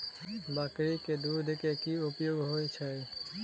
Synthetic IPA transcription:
bakɾiked̪uɾd̪ʱekekiopjoɡɦojt͡ɕʰe

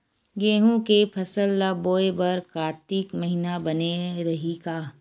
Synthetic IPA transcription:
ɡeːɦũkepʰɐsəlːaboːebɐɾkaːt̪iːkmɐɦinabɐneɾɐɦiɡaː

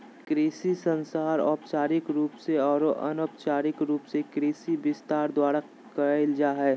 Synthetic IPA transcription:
kɾeːsisə̃nsaːɾɔ̰ːpt͡ʃaːɾɪkɾuːpseɔːɾʔɐ̰noːpt͡ʃaːɾɪkɾuːpsekɾeːsibɪst̪aːɾd̪waːɾa | kəɪld͡ʒaːɦɛː

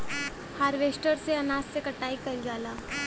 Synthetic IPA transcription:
haːɾʋeːsʈəɾseɐnaːssekɐʈːaːikɐɾɡjaːlaː

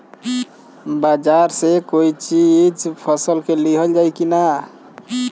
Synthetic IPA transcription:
bad͡ʒaɾsekoit͡ʃid͡ʒpʰəsəlkeliɦəld͡ʒajkina

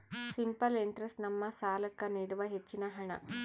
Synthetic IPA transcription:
simpɐliɳʈɾesʈnɐmːɐsaːlɐkːɐniɽuʋɐɦet͡ʃːinɐɦɐɳɐ̰

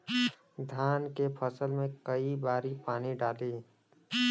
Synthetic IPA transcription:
d̪ʱaːnkepʰəsəlmẽkəibaːɾipaːniɖaːleː

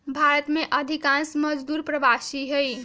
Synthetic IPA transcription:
bʱaɾət̪meʔəd̪ʱikãnsməd͡ʒd̪uɾpɾəbasiɦəj

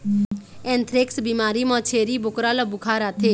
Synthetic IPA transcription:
ɛ̃ːnt̪ʰɾɪksbiːmaːɾiːmɔːt͡ʃʰeːɾiːbʊkɾaːləbʊkʰaːɾaːt̪ʰeː

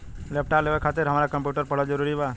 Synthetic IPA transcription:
lɛp̚ʈalebakʰat̪ɪɾɦəmɾakəmpjuʈəɾpəɽɔd͡ʒɔɾuɾiba

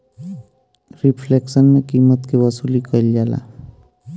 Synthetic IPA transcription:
ɾipʰleksənmekimːət̪kewəsuːlikəild͡ʒaːla̰

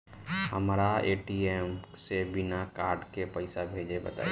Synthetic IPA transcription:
həmɾaeːʈiemsebɪnakaːɾɖkepəɪsabʱeːd͡ʒebə̰t̪a̰j

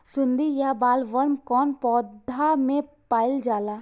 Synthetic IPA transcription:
sʊ̃nd̪ijabaːlʋəɾmkɔːnpɔːd̪ʱamẽ | paːɪld͡ʒaːlaː

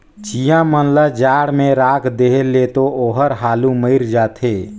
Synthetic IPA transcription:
t͡ʃijãmənləd͡ʒaːɽmẽɾaːkʰd̪eːɦlet̪ooːɦəɾɦaːluməɪɾd͡ʒaːt̪ʰeː

